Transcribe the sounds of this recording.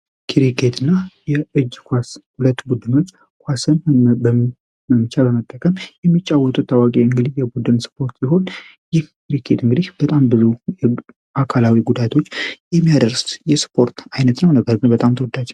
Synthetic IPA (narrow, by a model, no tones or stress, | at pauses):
kʰiɾikʰet̪ʰɨnːajɛɨd͡ʒːkʷashulət̪ːbud̪ɨno̞t͡ʃː | kʷwasɨnb | məmt͡ʃʰalbəmət̪ʼːəkʼəmjɛmːit͡ʃʼːawːɔt̪ʼut̪ʰːawakʼeɨŋɡɨd̪ihjɛbud̪ɨnspʰo̞ɾt̪siɦo̞n | jɪhkiɾikʰet̪ɨŋɡɨd̪ihb̥ət̪ʼambɨzujɛ | ʔakʰalawiɡud̪at̪ʰo̞t͡ʃːjɛmːijad̪əɾsjɛspʰo̞ɾt̪ajnət̪nəwnəbːəɾbɨnbət̪ʼamt̪ʰəwɔd̪ad͡ʒ